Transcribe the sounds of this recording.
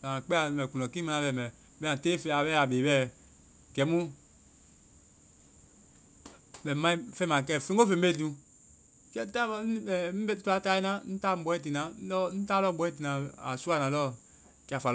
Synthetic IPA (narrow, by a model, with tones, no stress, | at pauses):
la˨a˨k͡pɛ˦a˨mɛ˨ku˨nɔ̃˨kĩ˦mã˦nã˨˦bɛ˨mɛ˨ | bɛ˦ã˨teː˦fe˨a˨bɛ˦a˨be˨bɛ˦ | ɡɛ˨˦mũ˦ | mɛ˨mã˦ĩ˦fɛ˦mã˨k̬ɛ˦˨fẽ˦ɡo˦fẽ˨m˦be˦dũ˨ | kɛ˦ta˦˨˦n̩˦tu˦a˦ta˦i˦nã˦n̩˦ta˦˨m˦ɓɔ̃˨˦ɛ̃˦t̬i˨nã˨˦lɔ˦n̩˦ta˦lɔ˦˨ɡ͡bɔ̃˨˦ɛ̃˦t̬i˨nã˨a˨su˦a˦˨nã˨lɔ˦ | ki˨a˨fa˨l